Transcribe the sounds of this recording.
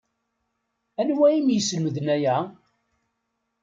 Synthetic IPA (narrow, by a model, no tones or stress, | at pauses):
ænwæimjəsləməðnæjæ